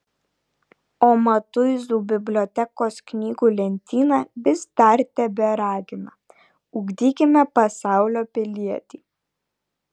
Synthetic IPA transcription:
oːmɐt̪ʊɪzuːbʲɪbʲlʲɔːt̪ʲɛkoːsknʲiːɡuːlʲɛnʲt̪ʲiːnɑːbʲɪsd̪ɑˑɾʲt̪ʲɛbʲɛɾɑːɡʲɪmɐ | ʊɡd̪ʲiːkʲɪmʲɛpɐsɑˑʊlʲoːpʲɪlʲiɛt̪ʲiː

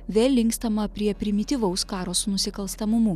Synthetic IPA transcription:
ʋʲeːlʲlʲɪŋkst̪ɐmɐpʲɾʲiɛpʲɾʲɪmʲɪt̪ʲiʋɐʊskɑːɾoːsnʊsʲɪkɐlˠʲst̪ɐmʊmu

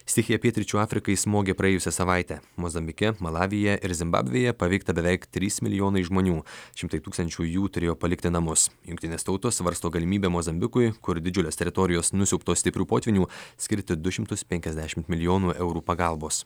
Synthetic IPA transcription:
st̪ʲɪxʲɪjɛpʲiɛt̪ʲɾʲɪt͡ʃʲuːɑːfʲɾʲɪkɐɪsmoːɡʲeːpɾɐjeːjʊsʲɛsɐʋɑˑɪt̪ʲɛːmoːzɐmʲbʲɪkʲɛmɐlˠɑːʋʲɪjɛʔɪɾzʲɪmbɑ̰ːbʲʋʲejɛpɐʋʲɛɪkt̪ɐbʲɛʋʲɛɪkt̪ʲɾʲiːsmʲɪlʲɪjoːnɐɪʒmoːnʲuːʃʲɪmt̪ɐɪt̪uːkst̪ɐnʲt͡ʃʲuːjuːt̪ʊɾʲeːjoːpɐlʲɪkt̪ʲɪnɐmʊsjʊŋkt̪ʲɪnʲeːst̪ɐʊt̪oːsʋɐɾst̪oːɡɐlʲɪmʲiːbʲeːmoːzɐmʲbʲɪkʊɪkʊɾd̪ʲɪd͡ʒʲʊlʲoːst̪ʲɛɾʲɪt̪ɔɾʲɪjoːsnʊsʲɛʊpt̪oːsʲt̪ʲɪpʲɾʲuːpoːt̪ʲʋʲɪnʲuːsʲkʲɪɾʲt̪ʲɪd̪ʊʃʲɪmt̪ʊspʲɛŋʲkʲɛzʲd̪ʲæːʃʲɪmt̪mʲɪlʲɪjoːnuːʔɛʊɾuːpɐɡɑˑlˠboːs

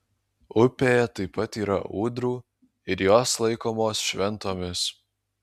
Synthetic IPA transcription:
ʊpʲeːjɛt̪ɐɪpːɐt̪iːɾɐ̰ʔuːd̪ɾuː | ɪɾjoːslˠɐɪkoːmoːsʃʲʋʲɛnˑt̪oːmʲɪs

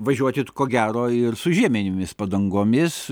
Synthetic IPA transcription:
ʋɐʒʲuɔt̪ʲɪt̪koːɡʲæːɾoːɪrsʊʒʲiɛmʲenʲɪmʲɪspɐd̪ɐŋɡoːmʲɪs

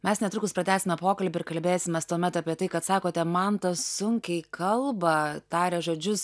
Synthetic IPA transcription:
mʲɛsnʲɛt̪ɾʊkʊspɾɐt̪ʲæːsʲɪmʲɛpoːkɐlʲbʲɪɾkɐlʲbʲeːsʲɪmʲɛst̪uɔmʲɛt̪ɑːpʲiɛt̪ɐɪkɐt̪sɑːkoːt̪ʲɛmɐnt̪ɐsʊŋʲkʲɛɪkʰɐlˠbɐt̪ɑːɾʲɛʒoːd͡ʒʲʊs

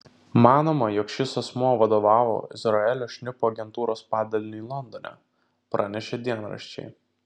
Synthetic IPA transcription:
mɑːnoːmɐjɔkʃʲɪsɐsmuɔʋɐd̪oːʋɑːʋo̰ːɪ̰zɾɐɛlʲoːʃʲnʲɪpoːɐɡʲɛnt̪uːɾoːspɑːd̪ʲɐlʲɪnʲɪiːlˠɔnd̪onʲæ̰ | pɾʔɑ̰ːnʲɛʃʲed̪ʲiɛnɾɐ̰ʃʲt͡ʃʲɛ̰ɪ

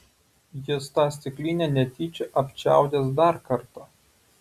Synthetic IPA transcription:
jɪst̪ɑːsʲt̪ʲɪklʲiːnʲenʲɛt̪ʲiːt͡ʃʲeʔɐpʲt͡ʃʲæ̰ˑʊd̪ʲeːs̬d̪ɑˑɾkɐɾt̪ɑː

